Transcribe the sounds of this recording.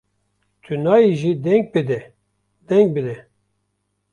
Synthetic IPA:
t̪ʰynɑːiʒid̪ɛŋɡ̚bɨd̪ɛ | d̪ɛŋɡ̚bɨd̪ɛ

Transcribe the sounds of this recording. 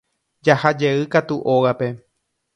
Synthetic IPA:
d͡ʒahad͡ʒeɨkat̪uʔoɣape̞

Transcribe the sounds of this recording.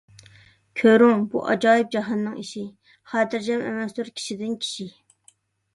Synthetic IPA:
kʲʰøɾuŋbṵʔɑ̰d͡ʒɑːjip̚d͡ʒɑɦɑnːɨŋiʃi | χɑd̪ɪɾd͡ʒɛmɛ̰mɛsd̪uɾkʲʰi̥ʃid̪ɪnkʲʰi̥ʃi

